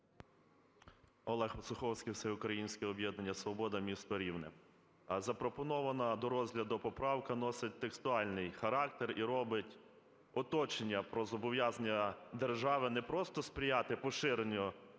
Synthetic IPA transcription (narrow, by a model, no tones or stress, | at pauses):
ɔlˠɛxpɔsʊxɔwsʲkʲijwsɛʊkɾɐjinʲsʲkʲɛɔbjɛd̪nɐnʲːɐsʋɔbɔd̪ɐmʲist̪ɔɾʲiwnɪ̰ | zɐpɾɔpɔnɔʋɐnɐd̪ɔɾɔzʲɦlʲɐd̪ʊpɔpɾɑwkɐnɔsɪt̚ʲt̪ekst̪ʊɑlʲnɪjxɐɾɑkt̪eɾiɾɔbɪtʲ | ɔt̪ɔt͡ʃenʲːɐpɾɔzɔbɔʋjazɐnʲːɐd̪erʒɑʋɪnɛpɾɔst̪ɔspɾʲɪjɑt̪ɪpɔʃɪɾenʲʊ